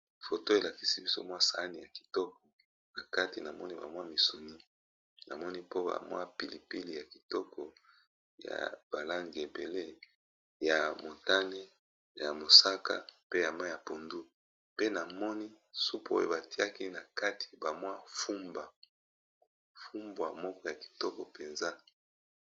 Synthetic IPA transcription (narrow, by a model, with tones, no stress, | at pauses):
fo˨to˦e˨la˨ki̥˦si˦bi˦so̰˦mwa˦sa˨a˦ni˨ja˨ki̥˨tɔ˦k̚ɔ̥˨ | na˨ka˦ti˨na˨mɔ˦ni˦ba̰˨mwa˦mi˨su˨ni˦ | na̰˨mɔ˦ni˦po˦ba̰˨mwa̰˦pi˨li˨pi˦li˨ja˨ki˨tɔ˦kɔ˨ | ja̰˨b̥a˨la˦ŋɡi˨e˨be˨le˦ | ja˨mo˨ta˦ne˦ | ja˨mo˨sa˦ka̰˦pe˦ja˨ma˦ja˨po˨ndu˦ | pe˦na˨mɔ˦ni˦ | su˦po̰˦jo̰˨ba˨ti˦a˦ki˦na˨ka˦tʰi̥˨ba˨mwa˦fu˦mba˨ | fu˦mbwa˨mɔ˦kɔ˦ja˨ki̥˨tɔ˦kɔ˨pe˨nza˦